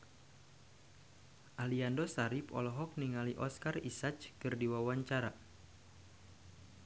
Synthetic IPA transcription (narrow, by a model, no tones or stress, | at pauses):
ʔaliandɔsaɾipɔ̰lɔɦɔk̚niŋaliʔɔskarisat͡ʃkɨrdiwawaɲt͡ʃaɾa